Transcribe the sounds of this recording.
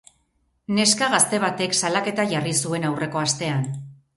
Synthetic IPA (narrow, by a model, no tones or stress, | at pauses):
ne̞skaɣast̪e̞β̞at̪e̞ksalake̞t̪aʝarisue̞nawrʔe̞ko̞ast̪e̞an